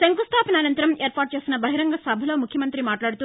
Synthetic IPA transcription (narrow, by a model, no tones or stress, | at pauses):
seŋkust̪ʰaːpɐnaːnɐnt̪ɐɾɐmeːɾpaːʈ̚t͡ʃe̞ːsinɐbɐɦiɾɐŋɡɐsɐbʱɐlo̞ːmukʰjɐmɐnt̪ɾimaːʈlaːɽut̪uː